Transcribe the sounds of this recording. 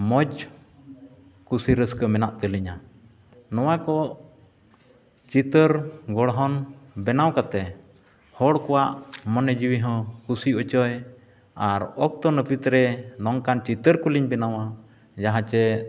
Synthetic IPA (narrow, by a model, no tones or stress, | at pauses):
mɔd͡ʒ | kusiɾəskəmɛnaʔt̪əliɲa | nɔwakɔʔ | t͡ʃit̪əɾɡɔɽɦɔnbɛnawkat̪ɛ | hɔɽkɔwaʔmɔnɛd͡ʒiwiɦɔ̃kusiɔt͡ʃɔj | aɾɔk̚t̪ɔnəpit̪ɾɛnɔŋkant͡ʃit̪əɾkuliɲbɛnawa | d͡ʒaɦãt͡ʃɛ